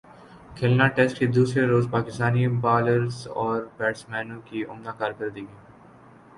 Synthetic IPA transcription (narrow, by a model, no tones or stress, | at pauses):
kʰɪlnaʈɛsʈkid̪uːsɾeɾoːzpaːkɪst̪aːnibaːləɾzɔːɾbɛːʈsmɛːnõkiʊmnakaːɾkɐɾd̪iːɡiː